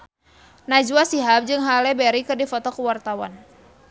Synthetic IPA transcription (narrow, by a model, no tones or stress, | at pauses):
nad͡ʒuasiɦap̚d͡ʒɨŋɦalɛbɛɾikɨrdifɔt̪ɔkəwart̪awa̰n